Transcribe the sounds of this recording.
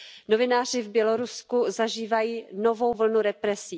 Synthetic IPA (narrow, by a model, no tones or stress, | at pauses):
no̞vɪnaːr̝ɪvbjɛlo̞ɾuskuzaʒiːvajiːno̞vo̞wvl̩nuɾɛpɾɛsiː